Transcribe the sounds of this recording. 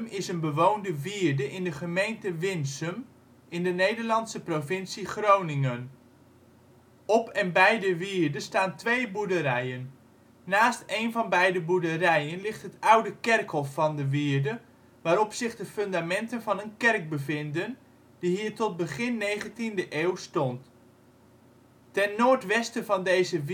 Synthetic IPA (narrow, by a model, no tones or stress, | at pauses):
mɪsənbəʋowndəʋiːɹdəʔɪndəχəmejntəʋɪnsəm | ʔɪndənejdəɹlɑntsəprovɪnsiχrownɪŋən | ɔpɛnbɛjdəʋiːɹdəstaːntʋejbudəɾɛjənː | aːstejnvɑnbɛjdəbuɹdərɛjənlɪχtɦətʌwdəkɛrkɦɔfːɑndəʋiːɹdə | ʋaːɾɔpsɪχdəføndamɛntənvɑnənkɛrk̚bəvɪndən | diɦiːɹtɔt̚bəχɪnːejχəntindəʔeːwstɔnt | tɛnːoːɹtʋɛstəvɑndejzə